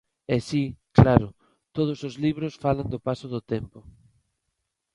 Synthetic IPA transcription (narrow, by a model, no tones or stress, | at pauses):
ɛsiklaɾʊ | t̪oð̞ʊsozliβɾʊsfaland̪ʊpasʊðʊt̪ɛmpʊ